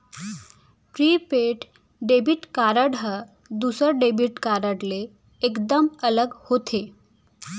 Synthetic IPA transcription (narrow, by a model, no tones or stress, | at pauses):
pɾiːpeʈ | ɖebiʈkaɾəɽɦə | d̪usəɾɖebʱiʈkaɾəɽleː | kd̪əmələɡhot̪ʰe